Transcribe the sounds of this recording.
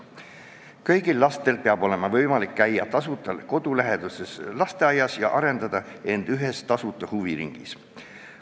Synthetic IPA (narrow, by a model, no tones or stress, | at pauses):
kɤjɡ̥ilːɑst̪e̞lpeɑbo̞le̞mɑvɤjmɑlikːæjːɑt̪ɑsut̪ːˑɑlko̞d̪̥ulæɦe̞d̪̥useslɑst̪e̞ɑjɑsjɑ̰ʔɑɾe̞nd̪ɑd̪̥ɑ | e̞nd̪̥yɦe̞st̪ɑsut̪ːˑɑhuviɾḭŋɡ̥is